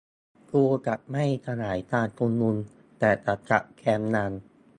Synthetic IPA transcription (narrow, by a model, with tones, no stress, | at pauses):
t̪u˧əka˨˩ʔ̚ma˥˩jt̪ʰa˧naː˩˦jt̪aː˧nkʰu˧nːu˧n | t̪ɛː˨˩t̪a˨˩t̪̚ka̰˨˩ʔkʰɛː˧mnaː˧n